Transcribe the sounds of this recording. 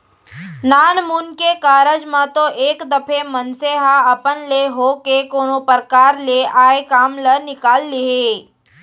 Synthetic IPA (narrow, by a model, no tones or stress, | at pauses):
naːnmuːnkekaːɾəd͡ʒmãt̪oʔeːkd̪ɐpʰemənseɦaɐpənleɦoːkekoːnopəɾkaːɾleʔaːekaːmlənɪkaːlːeɦeː